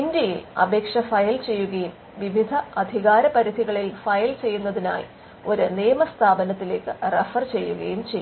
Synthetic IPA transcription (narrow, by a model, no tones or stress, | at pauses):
ind̪jɐjilɐ̰bʱe̞ːkʂɐfɐjɐlt͡ɕe̞jːuɣɐjum | ʋiʋid̪ʱɐɐd̪ʱiɣaːɾɐpɐɾid̪ʱiɣɐɭilfɐjɐlt͡ɕe̞jːunːɐðina̰ːj | o̞ɾuniːjɐmɐst̪ʰaːbɐnɐt̪ːile̞ːkːɨrefɐrt͡ɕe̞jːuɣɐjumt͡ɕejː